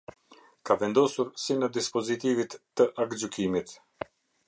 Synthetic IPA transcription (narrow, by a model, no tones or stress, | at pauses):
kavɛnd̪ɔsuɾsinəd̪ispɔzit̪ivit̪ːəʔakd͡ʒykimit̪